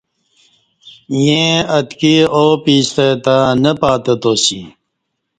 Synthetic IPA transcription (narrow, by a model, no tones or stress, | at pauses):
jẽɐt̪kioːpiːst̪et̪anɐpaːt̪ɐt̪oːsḭ